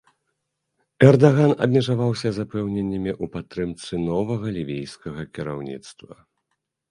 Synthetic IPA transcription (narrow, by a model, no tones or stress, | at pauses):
ɛrd̪aɣanɐ̰bʲmʲɛʐavawsʲɐzapɛwnʲɛnʲːɐmʲiʔupat̪ːɾɨmt̪sɨnɔvɐɣɐlʲivʲijskɐɣɐkʲiɾa̰wnʲḭt̪st̪vɐ